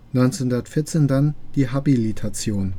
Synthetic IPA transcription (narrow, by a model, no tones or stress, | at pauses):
nɔʏnt͡senundɐtfɪɐt͡seːndand̥iːɦabilitʰat͡sjoːn